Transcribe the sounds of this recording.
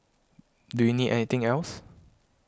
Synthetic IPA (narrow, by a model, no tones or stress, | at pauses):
dujunidʔɛ̰nit̪ɪ̃ŋɛls